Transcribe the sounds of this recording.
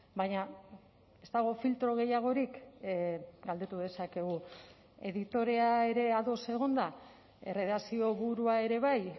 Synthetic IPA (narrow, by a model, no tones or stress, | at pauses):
baɲa | e̞st̪aɣ̞o̞filt̪ɾo̞ɣ̞e̞jaɣ̞o̞ɾik | ɡald̪e̞t̪uðe̞sake̞ɣ̞u | e̞ðit̪o̞ɾe̞ae̞ɾe̞aðo̞se̞ɣ̞o̞nd̪a | ereðasio̞βuɾuae̞ɾe̞β̞aj